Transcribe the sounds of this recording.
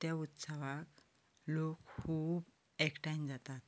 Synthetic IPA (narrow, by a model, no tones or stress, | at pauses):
t̪jaut̪saʋak | lokkʰuːb | ɛkʈajnd͡zat̪at̪